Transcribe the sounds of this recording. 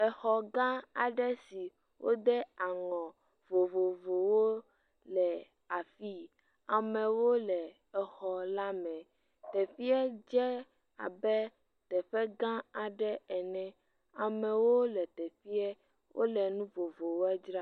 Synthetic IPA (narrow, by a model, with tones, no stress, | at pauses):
ɛ˨xɔ˨ɡã˦a˨ɖɛ˦si˨ | wʔo̰˦d̪ɛ˦a˨ŋɔ̃˨ | vo˨vo˨vo˨wo˦ | lɛ˨ | a˨fi˦ | a˨mɛ̃˨wo˦lɛ˨ | ɛ˨xɔ˨la˦mɛ̃˨ | t̪ɛ˨fi˦ɛ˦d͡ʒɛ˦ | a̰˨bɛ˦ | t̪ɛ˨ɸɛ˦ɡã˦a˨ɖɛ˦ɛ˨nɛ̃˨ | a˨mɛ̃˨wo˦lɛ˨t̪ɛ˨fi˦ɛ˦ | wʔo̰˦lɛ˨nũ˦vo˨vo˨wo˦ɛ˦d͡ʒɾa˦